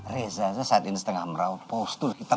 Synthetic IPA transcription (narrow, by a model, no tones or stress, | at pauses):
rezasasat̪inisə̥t̪əŋahməɾaupost̪urkit̪a